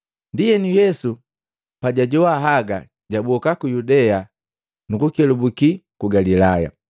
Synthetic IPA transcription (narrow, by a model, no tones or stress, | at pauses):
ndijɛnijɛsu | paɟaɟɔwaɦaɡa | ɟabɔkakujudɛa | nukukɛlubukikuɡalilaja̰